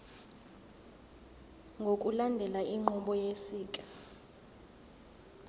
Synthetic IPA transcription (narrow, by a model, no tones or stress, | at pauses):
ŋɡʱokʼulandʱɛlaʔiŋ͡ǃɔɓɔjesiːkʼḁ